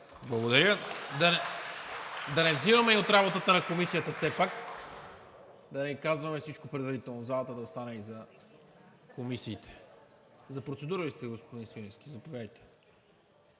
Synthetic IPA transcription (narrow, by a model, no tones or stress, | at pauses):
blˠɐɡod̪ɐɾʲjəd̪ɐnɛ | d̪ɐnɛvzivɐmɛiot̪ɾabot̪ət̪ənɐkomisijət̪əfsɛpak | d̪ɐnɛikazvɐmɛfsit͡ʃkopɾɛd̪vɐɾit̪ɛlˠnozalˠɐt̪əd̪ɐost̪anɛizɐ | komisiːt̪ɛ̥ | zɐpɾot̪sɛd̪uɾəlist̪ɛɡospod̪insvinisk̟ʲizɐpovjad̪jt̪ɛ̥